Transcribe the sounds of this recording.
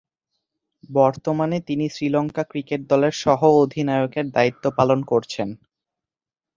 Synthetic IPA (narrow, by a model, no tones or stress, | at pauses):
bɔɾt̪omanet̪inisɾilɔŋkakɾikeʈ̚d̪ɔleɾʃɔɦood̪ʱinaeokeɾd̪ait̪ːopalonkoɾt͡ɕʰen